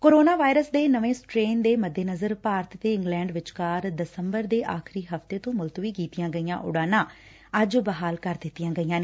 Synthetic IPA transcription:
koːɾoːnaːʋaːɪɾəsd̪eːnəʋẽːsʈɾeːnd̪eːməd̪ːeːnəzəɾpaːɾt̪t̪eːɪ̃ŋɡlɛ̃ːɳɖʋɪt͡ʃkaːɾd̪əsəmbəɾd̪eːʔaːkʰɾiːɦəft̪eːt̪õːmʊlt̪ʋiːkiːt̪ɪjãːɡəijã̰ːʔʊ̰ɽaːnãː | əd͡ʒbəɦaːlkəɾd̪ɪt̪ːijãːɡəiːjãːneː

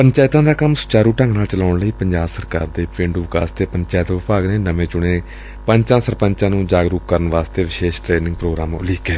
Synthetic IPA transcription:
pənt͡ʃɛːɪt̪ãːd̪aːkəmsʊ̥t͡ʃaːɾuːʈə̃ŋɡnaːlt͡ʃəlaːʊɳləiːpəɲd͡ʒaːbsəɾka̰ːɾd̪eːpẽːɳɖuːʋka̰ːst̪eːpəɲt͡ʃɛːt̪ʋɪpaːɡneːnəmẽːt͡ʃʊɽ̃eː | pəɲt͡ʃãːsəɾpəɲt͡ʃãːnũːd͡ʒaːɡɾuːk̚kəɾənʋaːst̪eːʋɪʃeːʃʈɾeːnɪ̃ŋɡpɾoːɡɾaːmʊ̰liːkeː

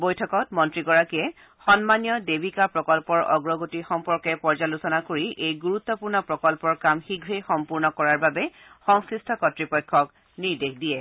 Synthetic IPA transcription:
bojtʰɔkɔtmɔntɹiɡɔɹakijɛ | xɔnmanjɔdebʱikapɹɔkɔlpɔɹʔɔ̰ɡɹɔɡotixɔmpɔɹkɛpɔɹd͡ʒalusɔnakoɹiʔejɡuɹut̪ːɔpuɹnɔpɹɔkɔlpɔɹkamxiɡʱɹejxɔmpuɹnɔkɔɹaɹbabɛ | xɔŋsɹistʰɔkɔtɹipɔjkʰːɔk | niɹdekdijɛ

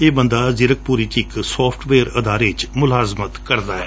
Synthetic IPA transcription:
eːbənd̪azɪɾək̚puːɾit͡ʃɪksɔːpʰʈʋeːəɾəd̪aːɾet͡ʃmʊlaːzmət̪kəɾd̪aːɦɛː

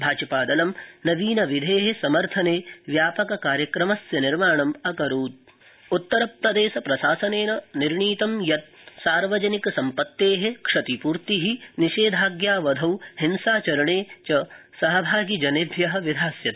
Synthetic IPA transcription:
bʱaːt͡ʃɐpaːd̪ɐlɐmnɐʋiːnɐʋid̪ʱeːɦesɐmɐɾt̪ʰɐneːʋjaːpɐkɐkaːɾjɐkɾɐmɐsjɐniɾmaːɳɐmɐkɐɾuːd̪̚ | ut̪ːɐɾɐp̚t̪ɐd̪eːsɐpɾɐʃaːsɐneːnɐniɾɳiːt̪ɐmjɐt̪̚saːɾʋɐd͡ʒɐnikɐsɐmpɐt̪ːeːɦekʂɐt̪ipuːɾt̪iɦiniʃeːd̪ʱaːɡjaːʋɐd̪ʱɐwhinsaːt͡ʃɐɾɐɳeːt͡ʃɐsɐɦɐbʱaːɡid͡ʒɐnebʱjɐɦɐ̆ʋid̪ʱaːsjɐt̪

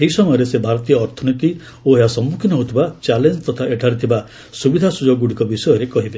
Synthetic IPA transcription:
eɦisɔmɔjɔɾesebʱaɾɔt̪ijɔːɾt̪ʰɔnit̪i | oeɦasɔmːukʰinɔɦot̪ʰibat͡ʃalend͡ʒt̪ɔt̪ʰaeʈʰaɾit̪ʰiba | subid̪ʱasud͡ʒɔɡɡuɽikɔbisɔjɔɾekɔɦibe

